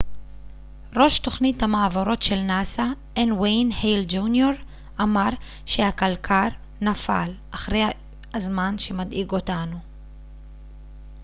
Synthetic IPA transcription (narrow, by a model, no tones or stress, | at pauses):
ɾo̞ʃto̞χnit̪hamaavoɾo̞t̪ʃelnasa | enwejnhejld͡ʒunjoɾ | ʔamaɾ | ʃehakalkʰaɾ | nafa̰lʔaχɾej | azmanʃemad̪ʔiɡotanu